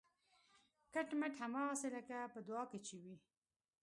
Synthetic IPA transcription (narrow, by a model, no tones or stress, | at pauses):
kaʈmaʈhamɑɣaseləkapəd̪wɑket͡ʃewi